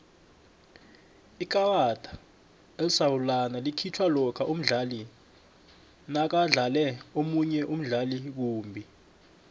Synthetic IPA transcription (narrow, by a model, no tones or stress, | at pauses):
ik̬ʼawatʼḁ | ɛsawulanalikʰitʰwalɔkʰaʔum̩ɮali | nak̬aɮalɛomuɲɛʔum̩ɮalik̬uːmbʱi